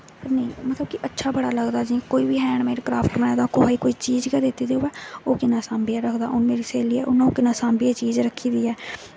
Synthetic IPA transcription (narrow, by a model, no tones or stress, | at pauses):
pəɾnəĩːmət̪ləbkɪʔətːʃʰaːbəɽaːləɡd̪aːd͡ʒĩːkoːiːbiːɦɛːɳmeːɾekɾaːpʈmnãːd̪aːkoaːiːkoːiːt͡ʃiːd͡ʒkɛːd̪ɪt̪ːiːd̪eʊʋɛːoːkɪnãːsãːmbijãːɾəkʰd̪aːʔʊnmeːɾiːseːliːɛːʔʊnːãũːkɪnãːsãːmbiaːt͡ʃiːd͡ʒɾəkʰːiːd̪iːɛː